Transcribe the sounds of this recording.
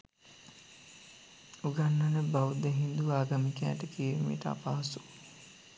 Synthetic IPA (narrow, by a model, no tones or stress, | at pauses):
uɡanːɐnəbaud̪eɦind̪uʋaːɡɐmikæːʈəkiʋmḭʈəa̰paːsu